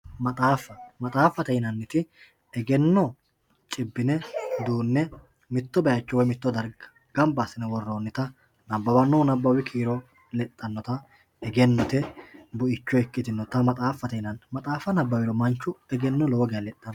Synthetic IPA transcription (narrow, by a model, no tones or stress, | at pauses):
mɐt̪ʼaːfɐmɐt̪ʼaːfːɐt̪ɛjnɐnːɪt̪ɪ | ɛɡɛnːɔ | t͡ʃʼɪbːɪnɛd̪uːnːɛ | mɪt̪ːɔbɛjɐt͡ʃːɔwɔjmɪt̪ːɔd̪ɐɾɡɐ | ɡ̥ɐmbasːɪnɛwɔrːoːnːɪt̪ɐ | nɐbːɐwɐnuːnɐbːɐwɪkʰiːɾɔ | lɛt̪ʼːɐnːɔt̪ɐ | ɛɡɛnːɔt̪ɛbʊʔɪt͡ʃːɔɛkːɪt̪ɪnːɔt̪ɐmɐt̪ʼaːfːɐt̪ɛjnɐnmɐt̪ʼaːfɐnɐbːɐwɪɾɔmɐnt͡ʃːʊɛɡɛnːɔloːɡɪjɐlɛt̪ʼːɐn